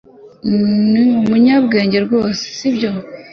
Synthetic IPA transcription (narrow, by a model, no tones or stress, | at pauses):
niumuɲabɡe̞ːɲɟe̞ɾɡo̞ːse̥sibjo